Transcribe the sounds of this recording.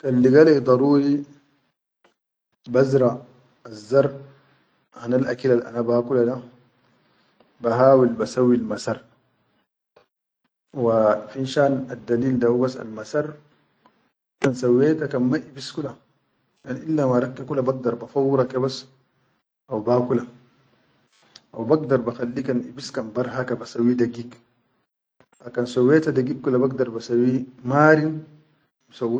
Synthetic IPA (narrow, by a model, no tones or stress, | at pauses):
kalːiɡalad̪ˤɑɾuːɾi | bazɾa | azːɑɾˤ | hanalʔa̰kilalʔa̰nabahakulada | baɦaːwilbasawːilmasɑɾˤ | wafinʃaːnad̪ːaliːld̪ahubasːa̰lmasɑɾˤ | kansawːetakanmaʔibiskula | anʔilːamaɾˤakːikulabaɡ̚d̪ɑɾˤbafawːɾakebas | ʔawbakula | ʔa̰wbaɡ̚dɑɾˤbaxalːikanʔḭbiskanbaɾˤɦakabasawːidaɡik | akansawːetadaɡikkulabaɡ̚dɑɾˤbasawːimaːɾin | misaw